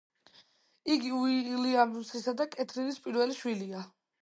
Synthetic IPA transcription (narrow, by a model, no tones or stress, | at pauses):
iɡiuiliamsisad̪akʼɛt̪ʰɾinispʼiɾvɛliʃwilia